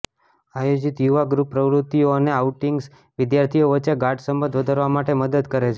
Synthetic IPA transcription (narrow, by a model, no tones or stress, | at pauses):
ajod͡ʒit̪juʋaɡɾupːɾəʋɾut̪ːijoəneauʈiŋɡs | ʋɪd̪jaɾt̪ʰijoʋətːt͡ʃeɡaɖsəmbə̃nd̪ʱʋəd̪ʱəɾʋamaʈeməd̪əd̪kəɾet͡ʃʰe